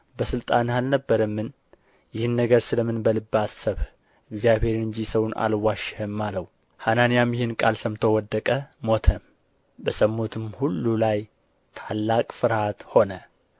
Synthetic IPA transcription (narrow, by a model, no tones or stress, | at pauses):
bəsɨlt̪ʼanalnəbːəɾəmːɨn | jɪhɨnːəɡəɾsɨləmɨnbəlɨbːasəβ | ɨɡzijaβheɾɨɲd͡ʒisəwnʔa̰lwaʃhəmːaləw | hananijamjɪhɨnkʼalsəmt̪ʰo̞wɔd̪ːəkʼəmo̞t̪ʰəm | bəsəmːot̪ʰɨmhulːulaj | t̪ʰalːakʼfɨɾhat̪ho̞nə